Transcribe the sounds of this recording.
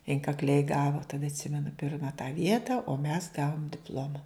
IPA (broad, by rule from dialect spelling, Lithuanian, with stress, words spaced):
ɪŋkɐkˈlʲɛɪ ˈɡɑːʋoː tɐˈdɐ ɐtʲˈsʲɪmʲɛnʊ ˈpʲɪrmɐ tɑː ˈʋʲiɛtɐ oː mʲɛs ˈɡɑːʋoːm dʲɪpˈlˠoːmɐ